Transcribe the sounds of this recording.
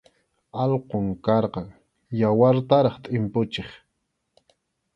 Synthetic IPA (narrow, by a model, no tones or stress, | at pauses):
ɑlqoŋkɑɾqɑŋ | jawaɾt̪aɾɑχt̪ʼɪmpʊt͡ʃɪχ